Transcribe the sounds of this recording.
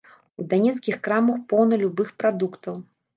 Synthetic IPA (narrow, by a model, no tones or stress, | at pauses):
ud̪anʲɛt̪skʲixkɾamɐxpɔwnɐlʲubɨxpɾad̪ukt̪ɐw